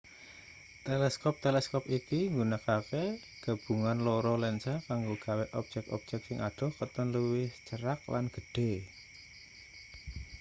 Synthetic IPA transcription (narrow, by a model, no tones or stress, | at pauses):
t̪elɛskɔp̚t̪elɛskɔpikiŋɡunakafe | ɡ̥a̤b̥ṳŋanlɔɾɔlɛnsakaŋɡoɡ̥a̤wɛʔɔp̚d͡ʒɛk̚ɔ̰p̚d͡ʒ̥ɛk̚sɪŋʔaɖ̥ɔ̤hkət̪ənləwɪht͡ʃəɾak̚la̰nɡ̥ə̤ɖ̥e̤